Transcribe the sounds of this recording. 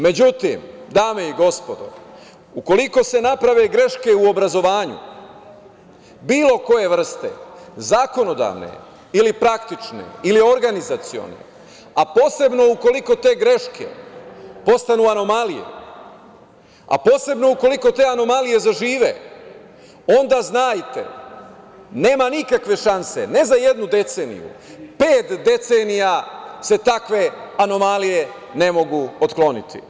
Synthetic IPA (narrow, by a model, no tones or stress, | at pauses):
me̞d͡ʑut̪ḭmd̪aːme̞iɡo̞spo̞d̪o̞̰ | uko̞liko̞se̞napɾaʋe̞ɡɾe̞ʃke̞uo̞bɾazo̞ʋaːɲṵ | biːlo̞ko̞je̞ʋr̩st̪e̞̰zaːko̞no̞d̪a̰ːʋne̞̰ | ilipɾakt̪it͡ʃnḛilio̞ɾɡanizat̪sio̞̰ne̞̰ | apo̞ːse̞bno̞uko̞liko̞t̪e̞ːɡɾe̞ʃkʰe̞̰po̞st̪anuano̞malijḛ | a̰po̞ːse̞bno̞uko̞liko̞t̪e̞ːano̞malije̞zaʒiːʋḛ | o̞nd̪aːznaːjt̪ḛ | ne̞ːmanikakʋe̞ʃanse̞̰ne̞zaje̞d̪nud̪e̞t̪se̞ːnḭjṵpeːt̪d̪e̞t̪senijase̞t̪akʋe̞ano̞malije̞ | ne̞mo̞ɡuot̪klo̞nit̪ʰḭ